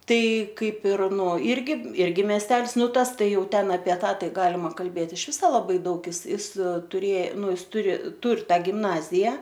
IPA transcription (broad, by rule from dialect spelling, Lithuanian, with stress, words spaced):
ˈtɐɪ ˈkɐɪp ɪr nuɔ ˈɪrʲɡʲɪ ˈɪrʲɡʲɪ mʲɛsʲˈtʲɛlˠs ˈnʊ ˈtɐs ˈtɐɪ ˈjɛʊ ˈtʲɛn ɐpʲiɛ ˈtɑː ˈtɐɪ ˈɡɑːlʲɪmɐ kɐlʲˈbʲeːt ɪʃ ˈʋʲɪsoː lˠɐˈbɐɪ ˈdɐʊk ˈɪs ˈɪs tʊˈrʲeː ˈnʊ ˈɪs ˈtʊrʲɪ ˈtʊr ˈtɑː ɡʲɪmˈnɑːzʲɪjɛ